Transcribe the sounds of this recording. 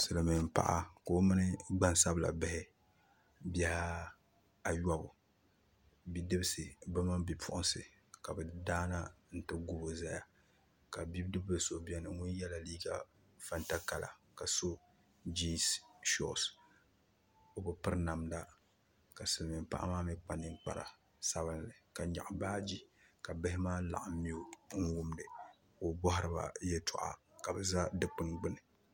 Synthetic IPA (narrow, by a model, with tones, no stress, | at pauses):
sɨ˨lɨ˨mɪ˨m˨pa̰˨ʔa˦ko˨o˦mɨ˦nɨ˦ɡ͡ba˦nsa˦bɨ˨la̰˨bɪ˦hɪ˦ | bjɛ˦ha˦ | a˨ja˦bʊ˨ | bi˦dɨ˦bɨ˦sɨ˨bɨ˦ma˦mbi˨pʰʊ˦ʔʊ˦sɨ̰˨ | ka˨bɨ˨daː˦na˦n̩˦tɨ˦ɡu˦bo˦za˦ja˨ | ka˨bi˦bdɨ˦bbɨ˦so˨˦bi˦ɛ˦nɨ˨ŋu˦n˦jɛ˦la˨liː˦ɡa̰˨ | fa˦nta˦ka˨lʔa̰˨ka˨so˦ | d͡ʒi˦sʃɔ̰˦˨s | o˨bɨ˨pɨ˦ɾna˨mda˦ | ka˨sɨ˨lmi˨mpa̰˦ʔa̰˦maː˦mi˦k͡pa˨nɨ˦ŋk͡pa̰˨ɾa̰˨ | sa˦βɨ˦nlɨ˨ka˨ɲa̰˨ʔbaː˦d͡ʒi˦ka˨bɨ˦hɪ˦maː˦la̰˨ʔa˨˦mi˦o˦ŋ̩˦wʊ˦mdɨ˨ | o˨bɔ˦ɦʊ˦ɾɨ˨ba̰˨jɛ˦tʊ̰˨ʔa̰˨ | ka˨bɛ˨za˦dɨ˦k͡pɨ˦nɡ͡bɨ˦nɨ˨